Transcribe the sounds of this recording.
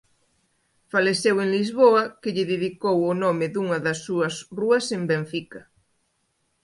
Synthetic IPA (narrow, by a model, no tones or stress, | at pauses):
faleseweŋlizβoɐkɪʎɪðiðikowonomɪðuŋɐðɐsːuɐsruɐsembeɱfikɐ